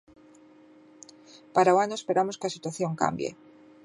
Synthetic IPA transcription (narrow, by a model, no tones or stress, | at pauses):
paɾawanoespe̞ɾamo̞skeasit̪waθjo̞ŋka̰mbjḛ